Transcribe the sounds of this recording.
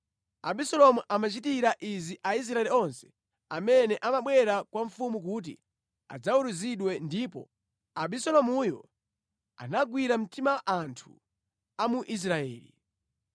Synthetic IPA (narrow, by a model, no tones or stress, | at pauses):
aɓisɔlɔmuʔamat͡ʃitiɾaʔiziʔais̬ɾaɛliɔnsɛ̥ | amɛnɛʔamaɓwɛɾakwaɱfumuk̬ut̬ḭ | a̰d͡zauɾuziɗwɛndipɔ̰ | aɓisɔlɔmujɔ̰ | a̰naɡwiɾam̩timawaʔantʰu | amuʔis̬ɾaɛ̰ːlḭ